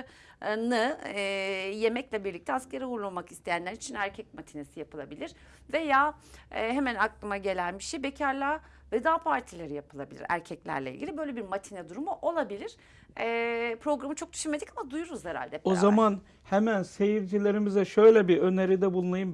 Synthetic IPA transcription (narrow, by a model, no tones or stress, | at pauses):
nɯ | je̞mɛclʲɛbiɾlʲic̚t̪ʰɛasceɾɛuɾlˠumakist̪ʰe̞jænlʲæɾit͡ʃʰinæɾcʰɛc̚mat̪ʰinesijapɯlˠabilʲiɾ̥ | ve̞jaːɛɦe̞mænaklˠɯmaɟe̞lʲænbiʃejbecʰaɾlʲˠa | vɛd̪aːpʰaɾt̪ʰilʲeɾijapʰɯlˠabilʲḭɾæ̰ɾcʰɛclʲæ̰ɾlʲḛḭlɡɟilʲibø̞jlʲebiɾmat̪ʰinɛd̪uɾumuʔo̞lˠabilʲiɾ̥ | ɛpʰɾo̞ɡɾamɯt͡ʃʰo̞k̚d̪y̥ʃyme̞d̪icamad̪ujuɾuzheɾa̰lʲd̪ɛozaman | hemænse̞jiɾd͡ʒilʲeɾimizɛʃø̞jlʲɛbiø̞neɾid̪ɛbulˠunajɯm